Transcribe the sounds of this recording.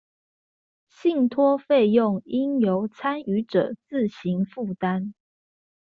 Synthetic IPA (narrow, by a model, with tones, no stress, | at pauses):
ɕi˥˨ŋt̪ʰwɔ˥fe˥˧ɪjʊ˥˨ŋi˦njo˨˧˥ʊt͡sʰa˥ny˧˥ʈ͡ʂɤ̰˨˩t͡sɹ̩˥˩ɕi˨˧˥ŋfu˥˨˩t̪a˥˦n